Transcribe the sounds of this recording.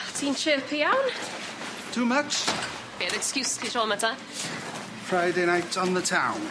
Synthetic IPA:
tʰiːnt͡ʃʰəːpʰiawn | tʰuːmʌt͡ʃ | b̥eɾɛkskjuːstʰiʃɔːlˠmətʰa | fɹaɪdeɪñaɪtʰn̩ðətʰãʊ̃n

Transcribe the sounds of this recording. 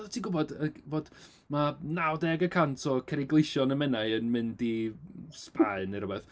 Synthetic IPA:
ɔtʰiːɡʊbɔdəvoːd | manawdɛɡəkʰantʰɔkʰɛɾɪɡlˠɪʃɔnəmɛnaɨənmɨndispaɨnəɾəbɛθ

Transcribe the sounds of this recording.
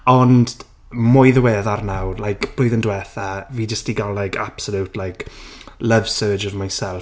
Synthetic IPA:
ɔnd̥ | mʊjðəwɛːðarnawlajkb̥loːɨðəndwɛθaviːd͡ʒəstiɡalˠlajkʰapsəlutʰlajkʰləv̥səːd͡ʒərmajnsɛlˠ

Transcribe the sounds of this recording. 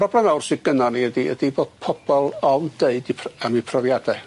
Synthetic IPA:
pʰr̥ɔblˠɛmawrsɪɡ̥ənɔniədiə̰diboːd̥pʰɔb̥ɔlˠɔnd̥eɨdipʰəmipʰrɔvjadɛ

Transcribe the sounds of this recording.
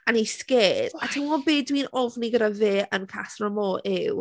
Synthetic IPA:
aniskeːdatʰɪnɔbeːdwinɔvniɡədaveːənkʰasrɔmɔːʔɪw

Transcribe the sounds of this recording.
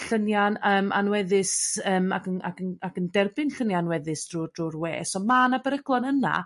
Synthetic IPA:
ɬənjanəːma̰nwɛðɪsəːmaɡəna̰ɡənaɡəndɛrbɪnɬənjanwɛðɨsdrʊd̥rʊrwḛːsɔmanabəɾəɡlˠɔnəna̰

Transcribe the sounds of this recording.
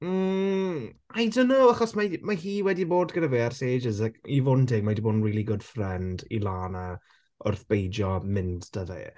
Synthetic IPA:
ajdonːowaχɔsmamahiːwɛdiboːdɡənaveːarseːd͡ʒɪzakivʊdndʰɪɡ̚madiboːdən̩riːlˠiɡʊd̥frɛndḭlˠaːna | ʔʊ̰rθb̥ejd͡ʒɔmɪntd̥əðɛ̰

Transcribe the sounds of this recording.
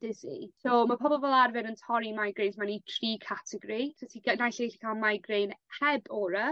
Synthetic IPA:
d̥ɪsḭsomapʰɔbɔvɛlˠarvɛnəntʰɔɾimajɡɾejnsmanitʰriːkʰatʰɛɡɾisʰatʰikənajɬejɬi̥kʰalˠmajɡrejnhɛbɔːɾə

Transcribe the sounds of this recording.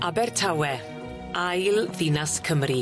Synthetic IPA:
ʔabɛrtʰawɛ | ajlˠðɪnaskʰəmri

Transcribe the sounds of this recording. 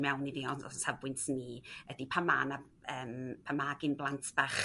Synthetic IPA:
mɛwniðiɔnɔ̰savwɪntʰniədipʰama̰na | əːmpʰamaɡɪnblˠantʰb̥aχ

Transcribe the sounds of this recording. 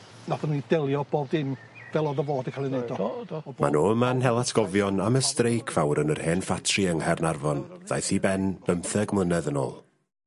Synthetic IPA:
naθənidɛlˠjɔb̥oːbdɪm | vɛlˠɔðəvoːdəkʰalˠinɛdɔma̰noːəmanɦɛlˠatʰɡ̥ɔvjɔnaməstrejkʰv̥awɾənərheːnfatʰriəŋhɛrnarvɔnð̥a̰jθibɛnb̥əmθɛɡmlˠənɛðəno̰ːlˠ

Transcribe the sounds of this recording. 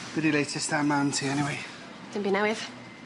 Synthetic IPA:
b̥ɪdileɪtʰəstãnmãntʰiɛniweɪ | d̥ə̃nbinawɪð̥

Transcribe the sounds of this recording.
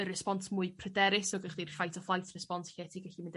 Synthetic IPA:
ərɛspɔntʰmʊɨpʰrədɛɾɪsɔɡəχd̥irfajtʰɔflˠajtʰrɛspɔntʰɬɛtʰiɡaɬimɪnd

